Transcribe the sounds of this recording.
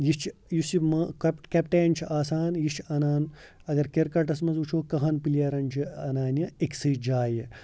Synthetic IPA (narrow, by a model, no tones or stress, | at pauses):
jit͡ʃʰjusimɐkkepʈeːnʲt͡ʃʰiʔaːsaːnjiʃʰɐnaːn | ɐɡɐɾkeɾkɐʈɐsmɐnzut͡ʃʰoːkɐɦɐnpiljɐːɾɐnt͡ʃʰiɐnaːnjɐeksɨd͡ʒaːjɐ